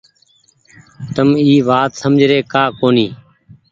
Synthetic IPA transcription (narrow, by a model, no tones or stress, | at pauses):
t̪əmiːʋaːt̪səmd͡ʒʱɾeːkaːkoːniː